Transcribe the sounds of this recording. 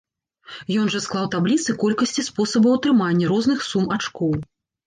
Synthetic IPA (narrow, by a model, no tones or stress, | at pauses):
jɔnʐɐsklˠawt̪ablʲit̪sɨkɔlʲkɐsʲt͡sʲispɔsɐbɐwt̪ɾɨmanʲːɐɾɔznɨxsumat͡ʂkɔw